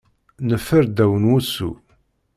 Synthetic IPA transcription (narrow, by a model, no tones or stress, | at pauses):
nəfːəɾd̪æwənwusṵ